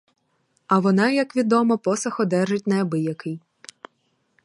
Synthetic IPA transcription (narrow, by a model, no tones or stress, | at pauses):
ɐʋɔnɑjɐkʋʲid̪ɔmɔpɔsɐxɔd̪ɛʒɪt̚ʲnɐɐbɪjɐkɪj